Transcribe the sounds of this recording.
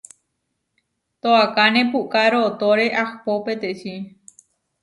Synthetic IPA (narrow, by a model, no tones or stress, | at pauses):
t̪oakanẽpukaɾot̪oɾeʔahpopet̪eʃi